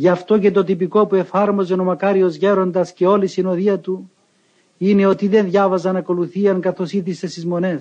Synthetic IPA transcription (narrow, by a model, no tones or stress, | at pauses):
ʝɐft̪o̞ce̞t̪o̞t̪ipiko̞pue̞fɐɾmo̞ze̞no̞mɐkɐɾio̞zʝe̞ɾo̞nd̪ɐsce̞o̞lisinoðiɐt̪u | ine̞o̞t̪iðe̞nðʝɐvɐzɐnɐko̞luθiɐŋkɐθo̞siðise̞st̪izmo̞ne̞s